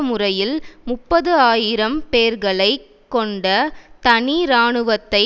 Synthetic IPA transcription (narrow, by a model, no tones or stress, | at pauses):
mʊrɐjɪlmʊpːɐðɯaːjɪɾɐmpeːɾɣɐɭɐɪ | kːɔɳɖɐt̪ɐɳiɾaːɳɯʋɐt̪ːɐɪ